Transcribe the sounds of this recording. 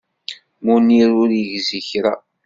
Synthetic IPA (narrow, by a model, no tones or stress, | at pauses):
muniɾʊɾjəʝziçɾa̰